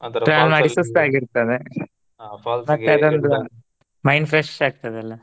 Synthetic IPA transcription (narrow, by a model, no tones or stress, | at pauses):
ɾaːʋlmaɖisusaːɡiɾt̪ɐd̪e | mɐt̪ːead̪ond̪u | mɐjnpʰɾesʈaːɡ̚t̪ɐd̪eɐlːɐ